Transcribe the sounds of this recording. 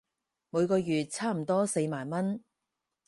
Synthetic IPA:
mu˨˧jkɔː˧jyː˨t̚t͡sʰaː˥m̩˨˩t̪ɔː˥se˧jmaː˨˩nmɐ˥n

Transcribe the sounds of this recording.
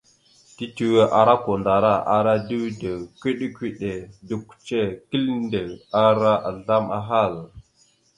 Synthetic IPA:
ti˦ti˨we˦ʔa˨ɾa˦ko˨nda˨ɾa˦˨a̰˨ɾa˦di˦wdə˨kʷi˦ɗe˦kʷi˦ɗe˨də˨kʷu̥˨t͡ʃe˦ki˦lnde˨a˦ɾa˦ʔa˨ɮa˦ma˦ɦa˦˨l

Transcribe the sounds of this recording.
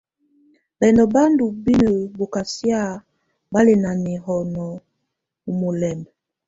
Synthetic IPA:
bɛ˨ndɔ˨ba˦ndu˨bi˦no˨bo˨ka˨sja˦ | ba˦le˨na˨ni˨hɔ˨nɔ˨ | u˨mo˨lɛ˨mbɛ˨

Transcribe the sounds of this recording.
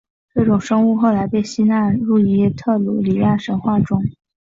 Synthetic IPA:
ʈ͡ʂɤ˥˩ʈ͡ʂʊ˨˩ŋʂɤ˥ŋu˥˧xo˥˩ʊla˧˥ɪpe˥˩ɪɕi˥na˥˧ɻu˥˩i˧˥˧t̪ʰɤ˥˩lṵ˨˩li˨˩ja˥˩ʂə˧˥nxwa˥˩ʈ͡ʂʊ˥ŋ

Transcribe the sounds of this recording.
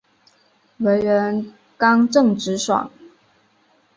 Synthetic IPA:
we˧˥ɪɥɛ˧˥n | kɑ˥ŋʈ͡ʂɤ˥˩ŋʈ͡ʂɻ̩˧˥ʂwɑ̰˨˩˦ŋ

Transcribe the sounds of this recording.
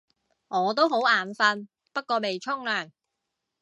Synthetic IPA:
ŋɔː˨˧t̪̬o˥wɦo˨˥wʔaː˨˩nfɐ˧n | pɐ˥t̚kːɔː˧me˨jt͡ʃʰʊ˥ŋlœː˨˩ŋ

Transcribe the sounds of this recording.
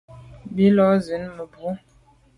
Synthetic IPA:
bi˦lɔ˦zə˨˦nmə˨bʁo˦

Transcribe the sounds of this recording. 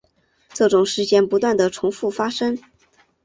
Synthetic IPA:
ʈ͡ʂɤ˥˩ʈ͡ʂʊ˨˩ŋʂɻ̩˥˧t͡ɕjɛ˥˩npu˧˥t̪wa˥˩nd̪ə˩ʈ͡ʂʰʊ˧˥ŋfu˥˩fa˥ʂɤ˥ŋ

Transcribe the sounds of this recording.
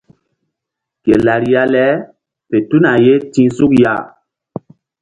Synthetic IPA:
ke˨la˨ɾi˨ja˦lɛ˦ | pe˨tu˦na˨je˦tĩ˦su˦kja̰˦˨

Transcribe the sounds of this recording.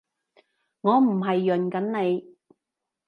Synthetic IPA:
ŋɔː˨˧m̩˨˩ɦɐ˨jːɵ˨nkɐ˨˥nne˨˧j

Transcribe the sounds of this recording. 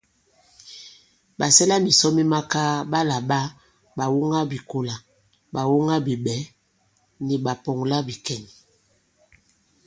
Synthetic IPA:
ɓa˨sɛ˦la˦mi˨sɔ˦mi˦ma˦ka˦ɓa˦la˨ɓa˦ | ɓa˨wo˦ŋa˦bi˨ko˨la˨ | ba˨wo˦ŋa˦bi˨ɓɛ˨˦ | ni˨ba˨pɔ˨ŋla˦bi˨kɛ˨n

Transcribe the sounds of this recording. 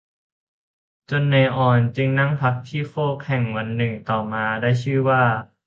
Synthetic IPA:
t͡ɕo˧nːa˧jʔɔː˧˩nt͡ɕi˧ŋna˥˩ŋpʰa˧˦˥k̚t̪ʰiː˥˩foː˥˩k̚hɛ˨˩ŋwa˧nːɯ˨˩ŋt̪ɔː˨˩maː˧daː˥˩jt͡ɕʰɯː˥˩waː˥˩

